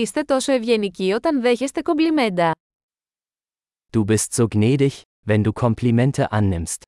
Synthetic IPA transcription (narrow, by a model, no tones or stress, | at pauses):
ist̪e̞t̪o̞so̞evʝe̞nicio̞t̪ɐnðe̞çe̞st̪e̞ko̞mblime̞nd̪ɐ | d̥uːbɪstz̥oːɡnɛːdɪç | vɛnduːkʰɔmplimɛntʰəʔanːɪmst